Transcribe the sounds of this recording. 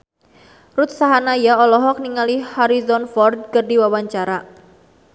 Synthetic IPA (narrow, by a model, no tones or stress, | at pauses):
rut̪̚saɦanajaɔlɔɦɔk̚niŋalihaɾizɔnfɔrd̪̚kərdiwawaɲt͡ʃaɾa